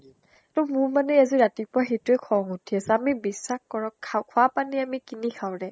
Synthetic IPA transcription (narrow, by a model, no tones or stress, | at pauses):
tɔmʊɹmanɛaziɹatipʊɹaxetʊɛkʰɔŋutʰiasɛamibisːaxkɔɹɔakʰʊapaniamikinikʰawdɛ